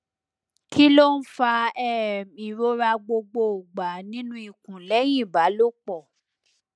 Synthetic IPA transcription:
ki˦lo˦n̩˦fa˧ɛ˨ĩ˨ɾo˦ɾa˧ɡ͡bo˧ɡ͡bo˨ɡ͡ba˨nĩ˦nũ˦i˨kũ˨lɛ˨˦j̃ĩ˦˨ba˨˦lo˦˨k͡pɔ˦˨

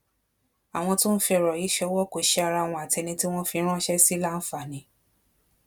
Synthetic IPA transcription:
a˨w̃ɔ̃˧tũ˦n̩˦fi˧˨ɾɔ˨i˨˦ʃɛ˧˦wɔ˦ko˨ʃɛ˧a˧ɾa˧˨w̃ɔ̃˧a˨tɛ˧nĩ˧ti˦w̃ɔ̃˦fi˧˦ɾ̃ɔ̃˦ʃɛ˦si˦la˦n̩˦fa˦˨nĩ˨˧˦

